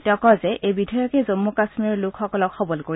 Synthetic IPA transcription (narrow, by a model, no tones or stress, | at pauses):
tɔkɔzɛʔʔejbidʱɔjɔkɛzomːukasmiɔɹlʊkxɔkɔlɔkxɔbɔlkoɹi